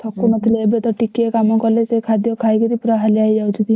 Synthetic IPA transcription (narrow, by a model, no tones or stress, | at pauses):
t̪ʰɔkːumət̪ʰleebet̪ɔʈikːekamɔ̃kɔɾlesekʰad̪jɔkʰajkid̪ipɾaɦaliaid͡ʒaut͡ʃʰud̪i